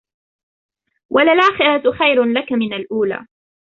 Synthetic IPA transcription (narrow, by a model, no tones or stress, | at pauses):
wʔalalʔaːxɪɾat̪xajɾlakamɪnalʔuːla̰ː